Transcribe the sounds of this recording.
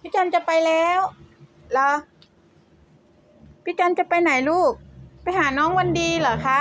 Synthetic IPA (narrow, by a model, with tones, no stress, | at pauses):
pʰi˦˥t͡ɕaː˧nt͡ɕa˨˩˨pa˧jlɛː˦˥˨w | lɔː˨˦ | pʰi˦˥t͡ɕaː˧nt͡ɕa˨˩pa˧jna˨˩˦jluː˥˩k̚pa˧jɦaː˩˦nɔː˦˥ŋwa˧ndiː˧lɤː˨˩˦kʰa˦˥